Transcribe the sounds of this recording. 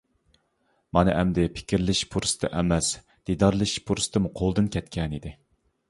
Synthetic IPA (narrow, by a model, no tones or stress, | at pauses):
mɑnɨʔɛmd̪ɪpʰɪ̥kʲʰiɾlɪʃpʰuɾsɨ̥t̪ʰɨ̰ʔɛmɛs | d̪̥id̪ɑɾlˠɨʃpʰuɾsɨ̥t̪ʰɨmuqʰolˠd̪ɨnkʲʰɛt̪̚kʲʰɛnid̪ɪ